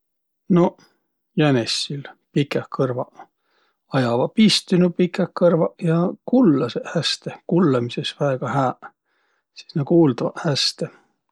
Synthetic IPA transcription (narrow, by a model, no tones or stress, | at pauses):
no̞ | jænesːilpikːˑekʰɤrvɑ | ɑjɑvɑpist̪inupikːˑekɤrvɑjɑkulːɑsehæst̪ekulːɑmisesvæeɡ̥ɑhæːʔ | si̥snɑkuːld̪ɑvɑ̰hæst̪e